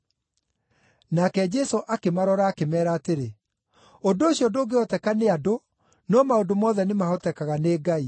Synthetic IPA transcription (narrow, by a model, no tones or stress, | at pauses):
nakɛd͡ʒɛsoʔakemaɾɔɾaːkemɛːɾaːteɾe | ondoːɕiɔndoːɡeɔtɛkaneado | nɔmaondomɔːðɛnemahɔtɛkaɣaneːɡai